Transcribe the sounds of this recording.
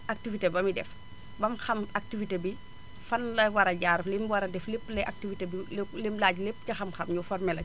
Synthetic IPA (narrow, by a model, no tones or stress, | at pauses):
ak̚tivitebɐmidɛf | bɐmxɐmak̚tifitebi | fɐnlɐwɐɾɐɟaːɾflemwɐɾɐdɛflepːlɛʔak̚tivitebilelemlaːɟlepːcɐxɐmxɐmɲufɔrmɛlɐ